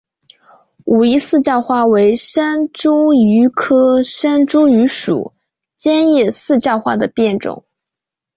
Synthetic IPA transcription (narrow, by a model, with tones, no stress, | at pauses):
u˨˩i˧˥sɹ̩˥˧t͡ɕjɑ˥˧ʊxwa˥we˧˥ɪʂa˥nʈ͡ʂu˥y˧˥kʰɤ˥ʂa˥nʈ͡ʂu˥ŋy˧˥ʂṵ˨˩˦ | t͡ɕjɛ˥njɛ˥˧sɹ̩˥˧t͡ɕjɑ˥˧ʊxwa˥˩d̪ə˩pjɛ˥˩nʈ͡ʂʊ̰˨˩˦ŋ